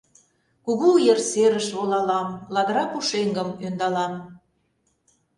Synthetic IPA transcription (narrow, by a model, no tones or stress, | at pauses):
kuɣuujerseɾəʃβolɑlɑmlɑd̪əɾɑpuʃeŋɡəmønd̪ɑlɑm